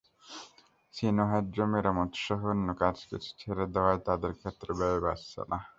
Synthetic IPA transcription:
sinoɦad̪ɾomiɾamɔt̪ʃɔɦonːokad͡ʑkḭt͡ɕʰu̥t͡ɕʰeɾed̪ɛwaet̪ad̪eɾkʰet̪ːɾebɛbebasḛna

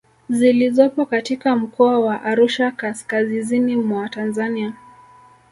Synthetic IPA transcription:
zilizɔpɔkatikam̩kɔawaʔaɾuʃakaskazizinimwatanzania

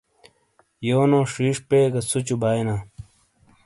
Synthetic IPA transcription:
joːnõːʂiːʂpeːkɐsut͡ɕubaːjna

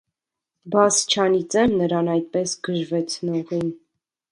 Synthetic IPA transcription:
bɑst͡ʃʰɑnit͡sɛmnəɾɑnɑjt̪̚pɛsɡəʒvɛt͡sʰnɔʁin

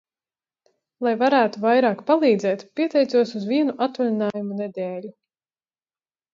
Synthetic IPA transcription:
lˠajvaɾæːt̪uvajɾaːkpalˠiːd̪zɛːt̪pʲiɛt̪ɛjt̪suɔsuzviɛnuʔat̪ulʲinaːjumunɛd̪ɛːlʲu

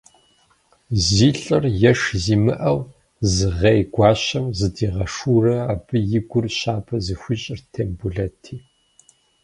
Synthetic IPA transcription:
ziːɬʼɨrjɛʂziːmɨʔɐw | zɨʁɐjɡʷɑːɕɐmzɨdiːʁɐʂuːrɐabɨjɪɡʷʊrɕaːbʰɐzɨxʷiɕʼɪrtʰeːmbuɮɐtʰiː

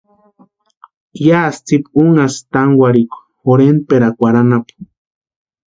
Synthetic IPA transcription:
jast͡sipuŋast̪aŋwʷaɾikʷ | oɾenpeɾakʷaɾanap

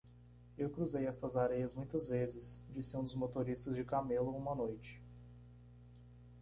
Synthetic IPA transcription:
ewkɾuzejɛst̪ɐzaɾejɐzmũj̃t̪ɐzvezɪsd͡ʒisɪũd̪ʊzmot̪oɾist̪ɐzd͡ʒɪkamelʊũmɐnojt͡ʃɪ̥

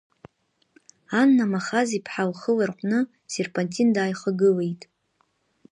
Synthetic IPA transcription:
anːamaχazipʰħalχəlarqʷʼnɨ | serpʼantʼindaːjχaɡɨlejtʼ

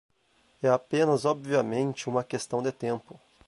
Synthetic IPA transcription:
ɛapẽnɐzobviɐmẽnt͡ʃɪũmɐkest̪ɐ̃w̃d̪ɪt̪ẽmpʊ

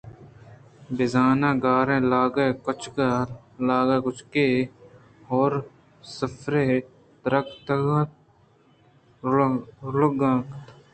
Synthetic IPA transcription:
bɪzaːnãːɡaːɾẽːlaːɡeːkʊt͡ʃʰk | laːɡeːkʊt͡ʃʰkeː | ɦoːɾ | səfɾeː | t̪ɾəkt̪ɡã | ləɡãːkt̪

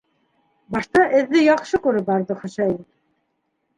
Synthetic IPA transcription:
bɑʃt̪ɑʔɘ̆ðːɘjɑχʃɤkuɾɘbɑɾðɤχŏɕæj

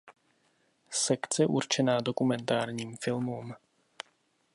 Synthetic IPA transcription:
sɛkt͡sɛʔuɾt͡ʃɛnaːdo̞kumɛnt̪aːɾɲiːmfɪlmum

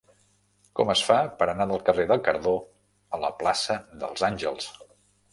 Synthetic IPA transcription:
kɔməsfapəɾənaðəlˠkəreðəlˠkəɾðo | ələ̰plasəðə̰lˠzanʲʒəlˠs

